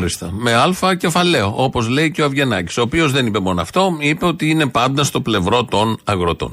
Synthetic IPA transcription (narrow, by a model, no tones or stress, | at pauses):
ɾist̪ɐme̞ɐlfɐce̞fɐle̞o̞ʔo̞po̞zle̞iceoɐvʝe̞nɐci̥so̞ːpio̞zðe̞nipe̞mo̞noɐ̰ft̪o̞ipe̞o̞t̪iinepɐnd̪ɐst̪o̞ple̞vɾo̞t̪o̞nɐɣɾot̪o̞̰n